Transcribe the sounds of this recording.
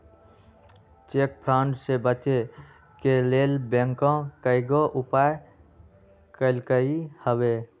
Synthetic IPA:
t͡ʃek̚pʰɾaʊɳɖsebət͡ʃe | keleːlbẽŋkõkəɪɡoʔʊpae | kəlkəihəbe

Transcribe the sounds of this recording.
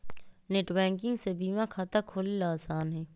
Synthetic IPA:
neʈbɛ̃ːŋkɪ̃ŋɡsebiːmãkʰaːt̪akʰoːlilaːsaːnɦɛː

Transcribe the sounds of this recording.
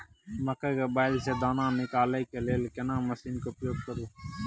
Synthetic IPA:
məkəːkoːɓaːɪlseːd̪aːnãːnɪkaːlekeleːlkənãːməsiːnkoːpjoːɡ̚kəɾoː

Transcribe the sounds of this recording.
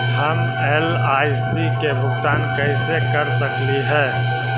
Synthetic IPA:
ɦɐm | eːl | aːjsikebʊt̪aːnkɐsekɐɾsəkliɦɛ̃ː

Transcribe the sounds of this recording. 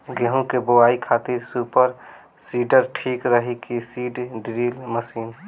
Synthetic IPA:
ɡeɦũkeboaːikʰaːt̪iɾsuːpəɾ | siːɖəɾʈʰiːkɾəɦikisiːɖɖɾiːlməsiːn

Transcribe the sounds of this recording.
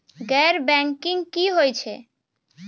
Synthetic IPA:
ɡɛɾbɛŋkiŋkiɦojt͡ɕʰe

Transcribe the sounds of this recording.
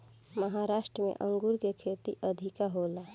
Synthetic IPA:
məɦaɾasʈɾəmḛʔəŋɡuɾkekʰet̪iʔəd̪ʱikaɦola

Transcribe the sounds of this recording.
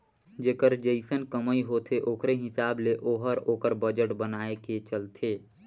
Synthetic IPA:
d͡ʒeːkəɾd͡ʒeɪsənkəməiɦot̪ʰeʔoːkɾeɦɪsaːbleʔoːɦəɾoːkəɾbəd͡ʒəʈbənaːeket͡ʃəlt̪ʰeː

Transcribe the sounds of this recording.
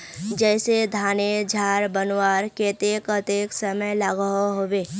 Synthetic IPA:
d͡ʒɛːsed̪ʱaːned͡ʒʱaːɾbənwaːɾket̪eːkət̪eːksəməjlaːɡɦoɦoːbeː

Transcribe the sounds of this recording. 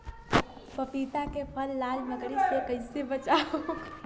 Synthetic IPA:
pɐpiːt̪akepʰəlːaːlməɡɽisekɐɪsebət͡ʃao

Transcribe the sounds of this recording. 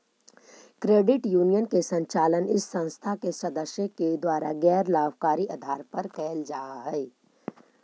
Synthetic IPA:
kɾeːɖɪʈjuːnijənkesə̃ɲt͡ʃaːlənɪsːə̃ñst̪ʰakesɐd̪əsjəked̪waːɾa̰ɡɛːɾlaːbʱkaːɾiʔad̪ʱaːɾpɐɾkɛːld͡ʒaːɦɛː

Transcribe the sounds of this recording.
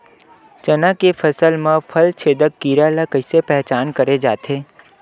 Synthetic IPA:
t͡ʃɐnãkefʰəsəlmãpʰəlt͡ʃʰeːd̪əkːiːɾalakəɪsepɛɦt͡ʃaːnkəɾed͡ʒaːt̪ʰeː

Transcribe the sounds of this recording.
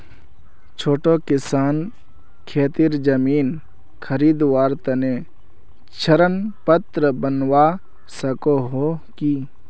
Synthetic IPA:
t͡ʃʰoːʈokɪsaːn | kʰeːt̪iɾd͡ʒəmiːn | kʰəɾiːd̪ʋaːɾt̪ɐne | t͡ʃʰɐɾənpət̪ɾəbənwa | sɐkoɦoki

